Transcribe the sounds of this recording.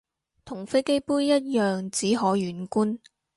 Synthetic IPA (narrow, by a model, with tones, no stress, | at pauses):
t̪ʰʊ˨˩ŋfe˥jke˥jpuː˥jjɐ˥t̚jœː˨ŋt͡siː˨˥ɦɔː˨˥jyː˨˥nkuː˥n